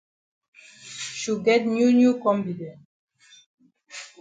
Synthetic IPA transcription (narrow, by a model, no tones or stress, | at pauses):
ʃuɡɛt̚njunjukɔ̃mfidɛ̃n